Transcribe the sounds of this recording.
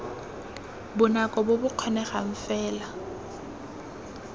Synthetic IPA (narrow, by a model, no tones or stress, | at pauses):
bʊnakʼɔbʊbʊq͡χʰɔnɛχa̰ɱ̩fɛːla